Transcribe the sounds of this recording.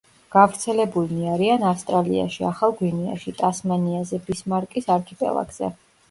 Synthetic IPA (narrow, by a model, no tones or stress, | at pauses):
ɡ̥avɾt̪sʰɛlɛbulniaɾianafst̪ʼɾalḭa̰ʃiaχalˠɡwinia̰ʃit̪ʼasmaniazɛbismaɾkʼisaɾkʰipʼɛ̰lˠa̰ɡz̥ɛ̰